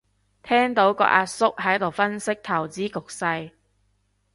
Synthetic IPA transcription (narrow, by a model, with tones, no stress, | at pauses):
t̪ʰɛː˥ŋt̪o˨˥wkɔ̰˧˥ʔaː˧t̚sʊ˥k̚ɦɐ˨˥jt̪o˨˩wfɐ˥nsɪ˥k̚t̪ʰɐ˨˩wt͡siː˨˥kʊ˨k̚sɐ˧j